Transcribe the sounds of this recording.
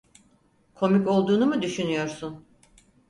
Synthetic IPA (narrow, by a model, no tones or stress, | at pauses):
kʰo̞miko̞lˠd̪uːnumɯd̪yʃynyjo̞ɾsun